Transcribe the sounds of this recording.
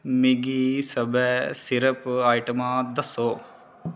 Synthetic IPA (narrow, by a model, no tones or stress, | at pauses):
meɡisəbɛːsɪɾəpaːjʈəmãːd̪əsoː